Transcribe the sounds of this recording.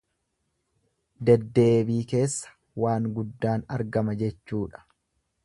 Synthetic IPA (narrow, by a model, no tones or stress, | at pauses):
d̪ɛd̪ːe̞ːbiːke̞ːsːɐ̥ | waːŋɡʊd̪ːaːnɐɾɡɐmɐd͡ʒɛt͡ʃːuːᶑɐ̥